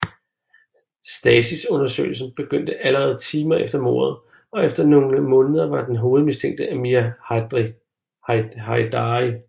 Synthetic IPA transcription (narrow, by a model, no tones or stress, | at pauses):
sd̥ɛsisɔ̽nɐsø̰ːɪl̩sn̩b̥e̝ɡ̥øn̰d̥əʔæləʁɛːð̞̩ˠt͡sʰiːmɐʔefd̥ɐmo̝̰ːɐð̞̩ˠ | ɒ̽efd̥ɐno̝ŋəmɔ̽ːnəð̞ˠɐʋɑ̈d̥enɦo̝ːð̞̩ˠmist͡sʰeŋ̰d̥əæmiæ | hɑɪd̥ɑi